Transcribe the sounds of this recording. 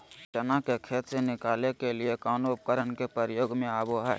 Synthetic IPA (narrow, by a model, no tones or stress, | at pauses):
ʃənakekʰeːt̪senɪkaːlekeliekaːnoːp̚kəɾənkepəɾjoːɡmẽaːboɦɛ̰ː